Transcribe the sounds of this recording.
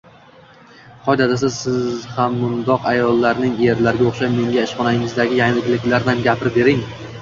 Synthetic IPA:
qʰɒjd̪at̪as̬ɪzsɪzhamːʊnd̪ɒqajɒlˠːaɾnɪŋje̞ɾlaɾɡʲaoχʃajme̞ŋɡʲaɪʃχɒnaɪŋɪzd̪aɡʲɪjaŋlɪɡʲlɪkʲlaɾnɪamɡʲapʰɪɾɪbe̞ɾɪŋ

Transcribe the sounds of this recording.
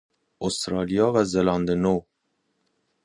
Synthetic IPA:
ʔost̪ɾɑːlijɒːvæzelɒnd̪eno

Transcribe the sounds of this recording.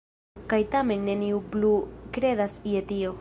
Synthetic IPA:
kajt̪amenːeniuplukɾe̞ðasiet̪io

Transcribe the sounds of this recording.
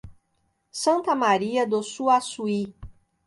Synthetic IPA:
sɐ̃nt̪ɐmaɾiɐd̪osuasui

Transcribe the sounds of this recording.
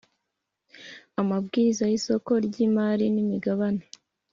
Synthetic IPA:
amabɡiːɾizajiso̞ko̞ɾɟiːmaːɾinimiɡaβane

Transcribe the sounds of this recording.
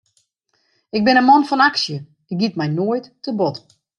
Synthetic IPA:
ɪkɡ̚bɪnəmɔnfɔnaksjə | ɪk̚ɡitmɛjnoəjtːəbɔt

